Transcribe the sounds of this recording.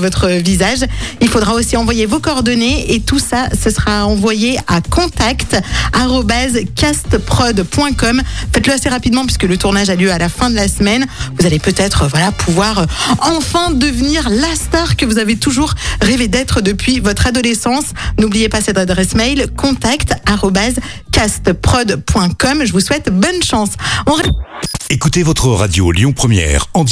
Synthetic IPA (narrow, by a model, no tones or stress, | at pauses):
vɔt̪χəvizaʒilfod̪ʁaosiɑ̃vwajevokɔʁd̪ɔneet̪usasəsəʁaɑ̃vwajeakɔ̃t̪akt̪aʁɔbazkʲast̪pχɔd̪pwɛ̃kɔmfɛt̪ləaseʁapid̪mɑ̃p̬ɥiskələt̪uʁnaʒaljøalafɛ̃d̪əlasmɛnvuzalepøt̪ɛt̪χəvwalapʰuvwaʁɑ̃fɛ̃d̪əvniʁlast̪aʁkəvuzavet̪uʒuʁʁeved̪ɛt̪χəd̪əpɥivɔt̪χad̪ɔlesɑ̃snublijepasɛt̪ad̪ʁɛsmɛjlkɔ̃t̪akt̪aʁɔbaz | kast̪pχɔd̪pwɛ̃kɔmʒəvuswɛt̪bɔnʃɑ̃sɔ̃ʁɛekut̪evɔt̪χəʁad̪jo̰ljɔ̃pχəmjɛ̰ːʁɑ̃